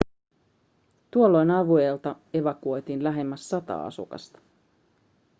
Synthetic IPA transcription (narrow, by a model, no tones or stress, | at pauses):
t̪uolːo̞jnɑʋue̞ːlt̪ɑ | e̞ʋɑkuo̞jt̪iːnlæɦe̞mːæsːɑt̪ɑ̰ːɑ̰sṵkɑ̰st̪ɑ̥